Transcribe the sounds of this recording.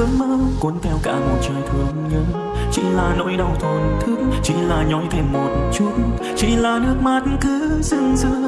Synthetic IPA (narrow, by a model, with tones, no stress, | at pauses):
ɨ˨˦mməː˧˥ku˨˦nt̪ʰɛ˧wka̰ː˧˩mo˨˩t̚t͡ɕəː˨˩jt̪ʰɨ˨˩əŋɲɨ˧˦ | t͡ɕḭ˧˥laː˨˩no̰˧˥jɗə˨˩wt̪ʰwaː˨˩nt̪ʰɨ˨˦t͡ɕḭ˧˥laː˨˩ɲɔ˨˦jt̪ʰe˧˩mo˨˩t̚n˧t͡ɕu˧˦˥t̚n | t͡ɕḭ˧˥laː˨˩nɨ˦˥ək̚maː˨˧˩t̚nkɨ˨˦zɨ˧˩ŋzɨ̰˧˥ə